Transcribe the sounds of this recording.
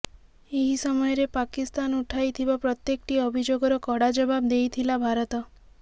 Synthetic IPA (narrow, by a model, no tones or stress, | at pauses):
eɦisɔmɔjɔɾepakist̪anuʈʰajt̪ʰibapɾɔt̪jekʈiɔbʱid͡ʒoɡɔɾɔkɔɽad͡ʒɔbabd̪ejt̪ʰilabʱaɾɔt̪ɔ